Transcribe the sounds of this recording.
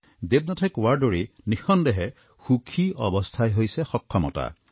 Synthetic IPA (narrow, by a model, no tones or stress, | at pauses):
d̪eb̚natʰekwaɹɖoɹinixɔnd̪eɦe | xukʰiɔbɔst̪ʰajɦojsexɔkʰːɔmɔ̰ta̰